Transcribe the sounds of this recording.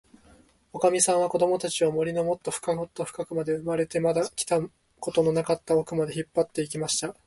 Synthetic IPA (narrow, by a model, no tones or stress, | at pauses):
o̞kamʲisãɰ̃β̞ako̞d̪o̞mo̞t̪at͡ɕiomo̞ɾʲino̞mo̞t̪ːo̞ɸɯ̟̥kaŋo̞t̪ːo̞ɸɯ̟̥kakɯ̟mad̪e̞ɯ̟maɾe̞t̪e̞mad̪akʲi̥t̪a | ko̞t̪o̞no̞nakat̪ːaokɯ̟mad̪e̞çipːat̪ːe̞ik̬ʲimaɕi̥t̪a